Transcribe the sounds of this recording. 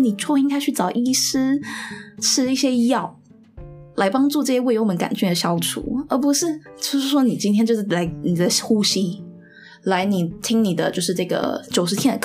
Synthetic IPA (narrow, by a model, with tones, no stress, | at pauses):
ni˨˩ʈ͡ʂʰwɔ˥˧i˥ŋkʰa˥˧t͡ɕʰy˥˩t͡sɑ˨˩ʊʔi˥˩ʂ̩˥ | ʈ͡ʂʰɻ̩˥i˥˩ɕjɛ˥˧jɑ˥˩ʊ | la˧˥ɪpɑ˥ŋʈ͡ʂu˥˧ʈ͡ʂɤ˥˧ɕjɛ˥we˥˧ɪjo˥ŋmə˧˦nka̰˨˩nt͡ɕy˥˩d̪ə˨˩ɕjɑ˥ʊʈ͡ʂʰṵ˨˧˦ə˞˧˥pu˧˥ʂɻ̩˥˩t͡ɕjo˥˧ʊʂɻ̩˥˩ʂwɔ˥ni˨˩t͡ɕi˥nt̪ʰjɛ˥t͡ɕjʂɻ̩˥˩la˧˥ɪni˨˩d̪ə˦xu˥ɕi˥ | la˧˥ɪni˨˩t̪ʰi˥ŋni˨˩d̪ə˦t͡ɕjo˥˧ʊʂɻ̩˥˧ʈ͡ʂɤ˥˩ɡə̰˩t͡ɕjo˨˩ʊʂɻ̩ʰ˧˥jɛ˥nd̪ə˨˩